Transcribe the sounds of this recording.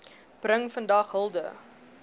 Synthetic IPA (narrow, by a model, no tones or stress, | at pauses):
prəŋfəndɐχɦəlˠdə̰